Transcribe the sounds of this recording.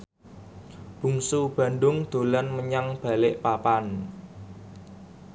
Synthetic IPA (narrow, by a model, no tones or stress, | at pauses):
b̥ṳŋsub̥ä̤ɳɖʊŋd̪̥o̤lanməɲaŋb̥a̤lɪʔpapan